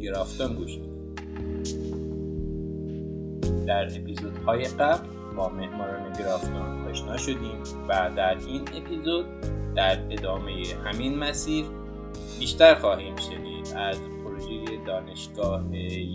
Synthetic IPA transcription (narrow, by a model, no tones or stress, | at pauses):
ɡeɾɒːft̪onɡuːʃ | d̪i | d̪̥æɾe̞pʰizod̪̥hɒːje̞ɢæbl | bɒːme̞hmɒːɾɒːne̞ɟeɾɒːft̪onɒːʃnɒːʃo̞d̪iːm | væd̪æɾine̞pʰizod̪̚d̪̥æɾe̞d̪ɒːme̞jehæminmæsiːɾ | biːʃt̪æɾxɒːhiːmʃeniːd̪æzpʰoɾoʒeje̞d̪ɒːne̞ʃɡ̥ɒːhe